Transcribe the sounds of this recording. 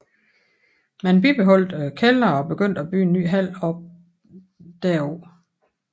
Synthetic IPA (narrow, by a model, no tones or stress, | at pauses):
mænb̥ib̥e̝ɦɒ̽l̰d̥kʰelɐɒ̽b̥e̝ɡ̥øn̰d̥æb̥y̰ːenːy̰ːɦæl̰ɒ̽b̥̚ | d̥æɐ̰ɒ